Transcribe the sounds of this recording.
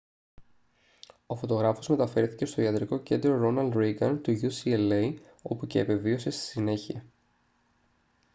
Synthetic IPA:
o̞fo̞t̪o̞ɣɾɐfo̞zme̞t̪ɐfe̞ɾθi̥ce̞st̪o̞iɐt̪ɾiko̞ce̞nd̪ɾo̞ɾo̞nɐld̪ɾiɡɐnt̪uʝusielej | o̞puceːpe̞vio̞se̞st̪i̥sine̞çiɐ

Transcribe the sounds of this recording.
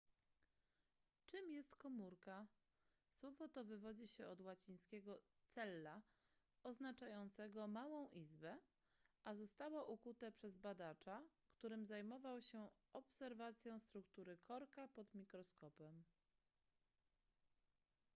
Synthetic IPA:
t͡ʂɘmjɛst̪kɔmuɾka | swɔvɔt̪ɔvɘvɔd͡ʑiɕɛɔd̪wat͡ɕij̃skʲɛɡɔ | t̪sɛlːa | ɔznat͡ʂajɔnt̪sɛɡɔmawɔ̃w̃ʔizbɛ | ʔazɔst̪awaʔukut̪ɛpʂɛzbad̪at͡ʂakt̪uɾɘmzajmɔvawɕɛ | ɔpsɛɾvat̪sʲjɔ̃w̃st̪ɾukt̪uɾɘkʰɔɾkapɔd̪mʲikɾɔskɔpɛm

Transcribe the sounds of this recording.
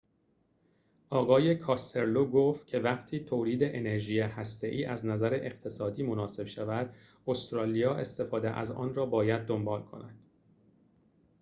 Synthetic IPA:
ʔɒːɣɒːje̞kʰɒːst̪e̞ɾloːɡoft̪̚cʲʰe̞væɢt̪ʰiːt̪ʰoːliːd̪e̞ʔene̞ɾʒijehæst̪e̞ʔiːʔæznæzæɾeʔeqt̪ʰe̞sɒːd̪iːmo̞nɒːse̞b̥ʃævæd̪ | ost̪ɾɒːlijɒːʔe̞st̪e̞fɒːd̪eʔæ̰zɒ̰ːnrɒːbɒːjæd̪̚ːo̞mbɒːlkʰo̞̰næd̪̥

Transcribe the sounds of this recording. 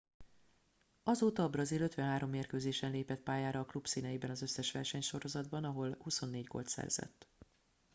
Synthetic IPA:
ɒzoːt̪ɒbrɒziløt̪ʋɛnɦaːɾo̞mːeːrkøːzeːʃɛnleːpɛt̪̚paːjaːɾɒːklupsiːnɛjibɛnɒzø̞sːɛʃʋɛ̰rʃɛɲʃo̞ɾo̞zɒd̪bɒnɒɦo̞lhuso̞nːeːɟɡo̞̰lt̪sɛ̰rz̥ɛ̰t̪ː

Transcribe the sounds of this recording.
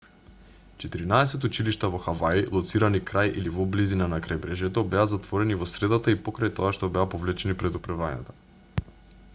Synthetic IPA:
t͡ʃɛt̪iɾinaɛsɛt̪ut͡ʃiliʃt̪avɔxavailˠɔt̪siɾanikɾajʔilivɔblizinanakɾajbɾɛʒɛt̪ɔbɛazat̪vɔɾɛnivɔsɾɛd̪at̪aipɔkɾajt̪ɔaʃt̪ɔbɛapɔvlɛt͡ʃɛnipɾɛd̪upɾavaɲa̰t̪ḁ

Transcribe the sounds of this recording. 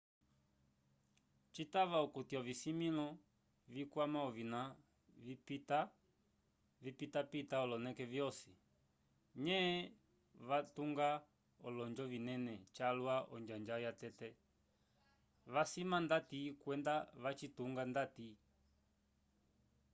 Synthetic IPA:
t͡ʃitaβaɔkutiɔvisimilɔ | vikwamaɔvina | ipita | vipitapitaɔlɔnɛkɛvjɔsi | ɲɛ | vatuŋɡa | ɔlɔɲd͡ʒɔvinɛnɛt͡ʃalwaʔɔ̰ɲd͡ʒaɲd͡ʒajatɛtɛ | βasimandatikwɛndaβat͡ʃituŋɡandati

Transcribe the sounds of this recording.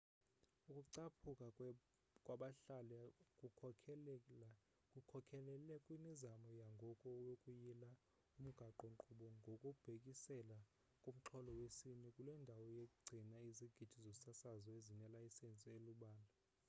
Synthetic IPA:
ukʼuǀapʰukʼa | kʼwaɓaɬalɛku | kʼukʰɔkʰɛlɛlɛkʼwimizamɔjaŋɡʱɔkʼɔwokʼujila | um̩ɡ̥ʱaǃɔŋǃʰuɓɔŋɡʱokʼub̥ʱekʼisɛla | kʼom̩ǁʰɔlɔwesinikʼulɛndʱawɔjekʼuɡ͡ǀʱinaiziɡ̥ʱid̥ʰʱizosasazɔezinɛlaisent͡sʼieluɓaːna

